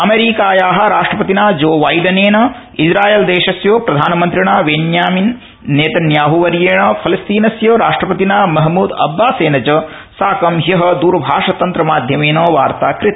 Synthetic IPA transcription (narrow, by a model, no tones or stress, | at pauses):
ɐmeːɾiːkaːjaːɦɐ̆ɾaːʂʈɾɐpɐt̪inaːd͡ʒoːʋɐjɖɐneːnɐ | id͡ʒɾaːjeːld̪eːʃɐsjoːpɾɐd̪ʱaːnɐmɐnt̪ɾiɳaːʋenjaːminː | eːt̪ɐnjaːɦuʋɐɾjeːɳɐpʰɐlɐst̪iːnɐsjoːɾaːʂʈɾɐpɐt̪inaːmɐɦmuːd̪ɐ̰bːaːseːnɐt͡ʃɐ | saːkɐmɦjɐɦɐ̆d̪uːɾbʱaːʂɐt̪ɐnt̪ɾɐmaːd̪ʱjɐmeːnoːʋaːɾt̪aːkɾɪit̪ɐ